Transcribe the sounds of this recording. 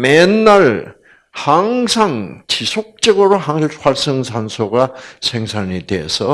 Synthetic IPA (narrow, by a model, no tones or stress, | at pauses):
menːaɾ | haŋsʰaŋt͡ɕisʰok̚t͡ɕ͈ʌɡɯɾohaŋɯɭʰwaɭs͈ɯŋsʰansʰoɡasʰeŋsʰaneteɦḛsʰʌ